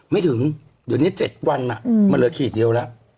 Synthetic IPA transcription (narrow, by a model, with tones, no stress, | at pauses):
ma˥˩jt̪ʰɯ˩˦ŋ | du˨˩ni˦˥˩t͡ɕe˨˩t̪̚wa˧nːa˨˩ʔmaː˧nlɤː˨˦kʰiː˨˩t̚ɗi˧əwlɛ˦˥ʔ